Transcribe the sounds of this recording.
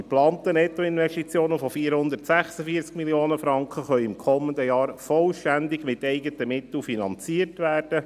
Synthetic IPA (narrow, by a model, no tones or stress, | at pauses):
d̥iplɑːnt̪ənɛtːɔɪnʋɛsʃtit͡sjoːnəfɔfiːɾhʊnd̪ətsæχsəfiət͡skmiljoːnəfɾɑŋkχəχœʏɪmkʰɔmːəndəjɑːɾfɔlʃtænd̪ɪɡmɪt̪ɛɪɡətəmɪt̪l̩finɑnt͡siərtʋæːrd̥ə